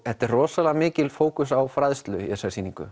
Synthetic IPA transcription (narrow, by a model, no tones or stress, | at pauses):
hɛht̪ɛrrɔːsalɛamɪːcɪlfoːwkʏsawfɾaðst̪lʏjɛ̰sasiːniŋkʏ̰